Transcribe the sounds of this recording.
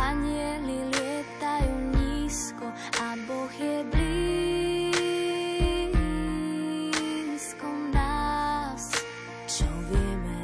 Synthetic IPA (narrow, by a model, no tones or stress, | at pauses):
aɲiɛliljɛt̪ajuɲiskɔ | aboxjɛd̪ɾi | skɔnas | t͡ʃɔvjɛmɛ